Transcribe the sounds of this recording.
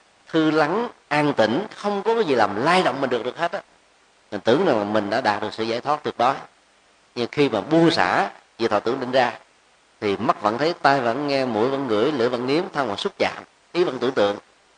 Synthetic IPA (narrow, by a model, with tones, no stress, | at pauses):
t̪ʰɨ˧la˨˦ŋʔaː˧ŋt̪ï˧˩ŋ̟xə˧wŋ͡mkɔ˨˦kɔ˨˦zi˨˩laː˨˩mlaː˧jɗo̰˧˨wŋ͡mmï˨˩ŋ̟ɨ˨˩ək̚ɗɨ˨˩k̚ha˦˥t̚ʔa˨˧˦ | ma˨˩t̪ɨ˧˩əŋnaː˨˩wlaː˨˩mï˨˩ŋ̟ɗa̰ː˧˥ɗaː˨˩t̚ɗɨ˨˩k̚sɨ̰˧˨zaː˧˩jt̪ʰwa˦˥t̚t̪ɨ˨˩ək̚ɗɔ˨˦j | ɲɨ˧ma˨˩xi˧maː˨˩ɓu˧ənsa̰ː˧˩vḭ˧˨t̪ʰɔ̰ː˧˩t̪ɨ˧˩ə˨ŋɗï˧˨ŋ̟zaː˧ | t̪ʰi˨˩ma˦˥t̚və̰˧˥nt̪ʰə˨˦jt̪aː˧jvə̰˧˥nŋɛ˧mṵ˧˩əjvə̰˧˥nŋɨ̰˧˩˥əjlɨ̰˧˥əjvə̰˧˥nŋi˨˦əmt̪ʰa˧ŋvaː˨˩su˦˥t̚t͡ɕa̰ː˧˨m | ʔi˨˦və̰˧˥nt̪ɨ˧əŋt̪ɨ̰˧˨əŋ